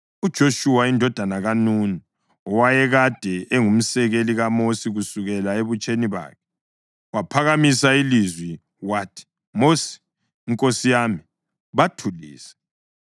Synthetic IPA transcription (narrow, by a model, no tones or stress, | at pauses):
ud̥ʒ̥ʱoʃuwaindʱɔd̥ʱanaɣanuːni | ɔwajɛɣad̥ʱɛʔeŋum̩sɛɣeliɣamosiɣusuɣɛlaeβut͡ʃʼeniβa̰ːkʰɛ | wapʰaɣamisailizwi | watʰi̥ | mosi̥ː | ŋkʼosijami | βatʰulḭːsɛ̥